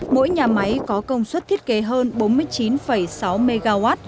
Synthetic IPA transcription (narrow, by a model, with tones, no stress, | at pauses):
mo̰˧˥jɲaː˨˩ma˨˦jkɔ˨˦kə˧wŋ͡mswə˦˥t̚t̪ʰi˦˥ət̚ke˨˦ɦəː˧nɓo˨˦nmɨ˧əjt͡ɕi˨˦nfə˧˩jsa˨˦wme˧ɣaː˧waː˦˥t̚